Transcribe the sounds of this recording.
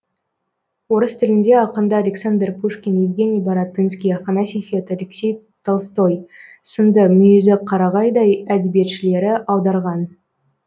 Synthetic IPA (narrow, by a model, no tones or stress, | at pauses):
wo̞ɾəst̪ʰɪlɪnd̪e̞ɑqənd̪əalʲeksand̪rpʰuʂkʲinevɡʲe̞nijbɑɾɑt̪ːɨnskʲijɑfanasʲifʲiet̪alekse̞j | t̪ʰɑlˠst̪o̞j | sənd̪əmʏjezɪqʰɑɾɑʁɑjd̪ɑjæd̪ɪbije̞t̪ʃɪle̞ɾɪʔɑwd̪ɑɾʁɑn